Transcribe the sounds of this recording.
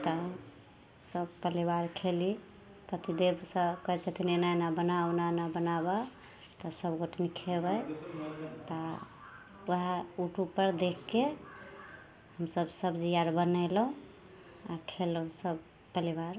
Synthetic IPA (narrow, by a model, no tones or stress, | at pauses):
t̪ɔ | səbpəlibaɾkʰeli | t̪ət̪ʰid̪ebsəkəɦɛt͡ʃʰət̪ʰinenanabənaunanabənaba | t̪ɔsəbɡoʈnikʰebəj | t̪ɔ | wəɦɛuʈʰupəɾd̪ekːe | həmsəbsəbd͡ʒijaɾbənələũ | akʰeləũsəb | pəlibaɾ